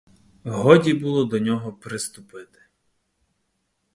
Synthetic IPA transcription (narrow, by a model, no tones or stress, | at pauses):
ɦɔdʲibulˠɔd̪ɔnʲɔɦɔpɾɪst̪ʊpɪt̪ɪ̥